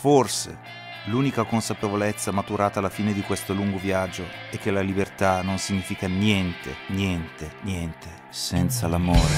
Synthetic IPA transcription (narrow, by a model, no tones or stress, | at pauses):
forsḛ | luːnikakonsapevolet̪sːamat̪uɾaːt̪aːlːafiːned̪ikwest̪oluŋɡovjad͡ʒːoɛk̟ːelalibert̪anonsiɲːiːfikanjɛnt̪ḛnjɛnt̪enjɛnt̪e | sɛnt̪salamoːɾe